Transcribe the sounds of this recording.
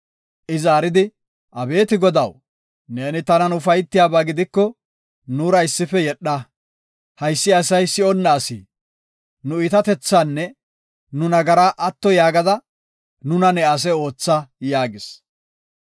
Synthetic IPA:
ʔɪzaːɾɪd̪ɪ | ʔɐbe̞ːt̪ɪɡɔd̪ɐw | ne̞ːnɪt̪ɐnɐnʊfɐjt̪ːɪjaːbaːɡɪd̪ɪkːɔ | nuːɾɐɪsːɪfɛjɛɗːɐ | hɐjsːɪɐsɐjsɪɔnːɐːsḭː | nʊɪt̪ɐt̪ɛt͡sːanːɛ | nʊnɐɡɐɾaːʔɐt̪ːɔjaːɡɐd̪ɐ | nʊnɐnɛɐs̬ɛo̞ːt͡sːɐjaːɡɪs

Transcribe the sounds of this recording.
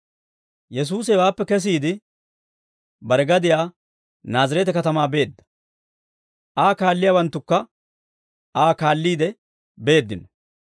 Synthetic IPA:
jɛs̬uːs̬ɛwaːpːɛkɛs̬iːd̪ɪ | bɐɾɛɡɐd̪ɪjaː | naːzɐɾɛt̪ɛkɐt̪ɐmaːbe̞ːd̪ːɐ̥ | ʔaːkaːlːɪjaːwɐnt̪ːʊkːɐ | aːkaːlːiːd̪ɛ | be̞ːd̪ːɪnɔ

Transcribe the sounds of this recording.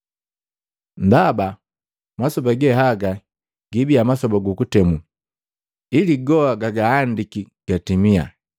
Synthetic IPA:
ndaba | masɔbaɡɛɦaɡa | ɡibiamasɔbaɡukutɛmu | iliɡɔaɡaɡaːndiki | ɡ̥atimia̰

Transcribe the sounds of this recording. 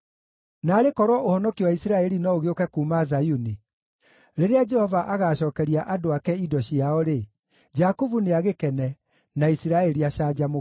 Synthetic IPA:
naːɾekɔɾwɔʔohɔnɔkiwaisiɾaɛɾinɔoɣeokɛkumazajuni | ɾeɾead͡ʒɛhɔvaʔaɣaːɕɔːkɛɾiaʔadoakɛidɔɕiaɔɾe | d͡ʒakuvuneaɣekɛnɛ | naisiɾaɛɾiaʃaːd͡ʒamo

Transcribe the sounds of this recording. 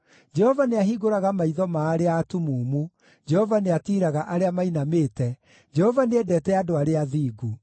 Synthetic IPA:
d͡ʒɛhɔvaneaɦiɣoɾaɣamaiðɔmaːɾeaːtumuːmu | d͡ʒɛhɔvaneatiːɾaɣaʔaɾeamainameːtɛ | d͡ʒɛhɔvanɛdɛːtɛadoaɾeaðiːɡu

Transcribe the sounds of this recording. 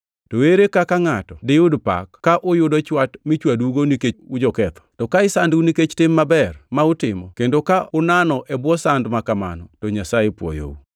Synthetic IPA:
toweɾekakaŋatɔdɪʊdpa̰kkːaʔʊjʊdɔt͡ʃwatmɪt͡ʃwaduɡonikeud͡ʒɔkɛt̪ɔ̥tɔkaɪsanduniket͡ʃtɪmːabɛrmaʊtɪmɔkendokaʊnanɔʔɛbwɔsandmakama̰nɔtɔɲasajepwɔ̰jo̰ṵ

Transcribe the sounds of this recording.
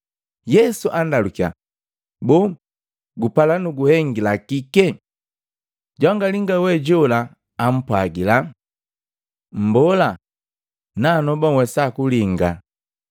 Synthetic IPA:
jɛsuʔandalukia̰ | bɔ | ɡupalanuɡuhɛŋɡilakikɛ | ɟɔŋɡaliŋɡawɛɟɔlaː | m̩pwaɡila | m̩bɔla | nanɔbɔwɛsakuliŋɡa

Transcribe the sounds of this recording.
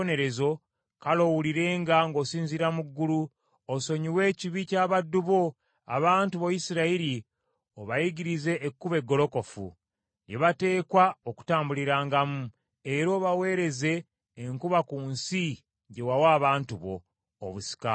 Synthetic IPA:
ne̞ɾe̞zo̞ | kalo̞wuliɾe̞ːŋɡaŋɡo̞ːsiːnziɾamuɡːulu | oso̞ɲiwe̞ːciβicaβadːuβo̞ | a̰βaːntuβo̞jisiɾaiɾi | oβajiɟiɾize̞ːkːuβe̞ɡːo̞lo̞ko̞fṵ | jeβate̞ːkwaoku̥taːmbuliɾaːŋɡamu | eɾo̞ːβawe̞ːɾe̞ze̞ː | ŋkuβakuːnsi | ɟe̞wawaːβaːntuβo̞̰ː | βusi̥ka

